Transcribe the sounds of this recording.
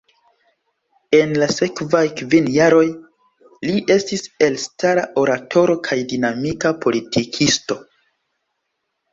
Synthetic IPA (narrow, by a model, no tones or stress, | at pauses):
e̞nlase̞kvajkvinjaɾo̞j | liʔe̞stise̞lstaɾaʔo̞ɾatʰo̞ɾo̞kʰajdinamikapʰo̞litʰikʰisto̞